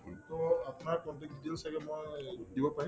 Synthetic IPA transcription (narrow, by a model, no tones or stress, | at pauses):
tɔapʊnaɹkɔntɛk̚ditelsaɡɛmɔjdibɔpaĩ